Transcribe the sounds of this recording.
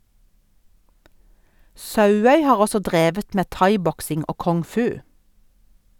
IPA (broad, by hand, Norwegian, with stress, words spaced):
ˈsɑʉˌœʏ ˈhɑːʁ ˈɔsɔ ˈdʁeːʋət ˈmeː ˈtɑɪˌbɔksɪŋ ˈoː kɔŋˈfʉː